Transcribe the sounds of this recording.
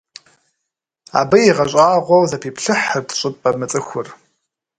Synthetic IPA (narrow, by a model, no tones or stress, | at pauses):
a̰ːbɐjiʁɐɕʷʼaːʁʷɔwzɐpʰiːpʰɬɨħərdʰɕʼɪpʼɐmɨt͡sʼɨxʷʊr